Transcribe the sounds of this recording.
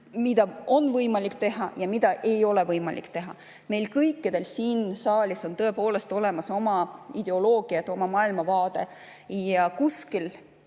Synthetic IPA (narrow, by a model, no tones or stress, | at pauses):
mid̪̥ɑo̞nːvɤjmɑlikt̪e̞ɦɑjɑmid̪ɑʔe̞jo̞le̞vɤjmɑ̰lḭkt̪e̞ɦɑ̰ | me̞jlkɤjkːˑid̪̥e̞lsiːnsɑːlʲiso̞nt̪ɤ̞epo̞ːle̞st̪o̞le̞mɑso̞mɑid̪̥e̞o̞lo̞ːɡ̥iɑt̪ːˑo̞mɑmɑːilmɑvɑːd̪̥e̞̰ | jɑkuskil